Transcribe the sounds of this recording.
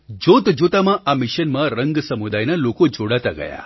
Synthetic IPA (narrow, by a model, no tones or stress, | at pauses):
d͡ʒot̪d͡ʒot̪amãʔamɪʃənmãɾəŋɡsəmud̪ajnəlokod͡ʒoɽat̪aɡə̰ja̰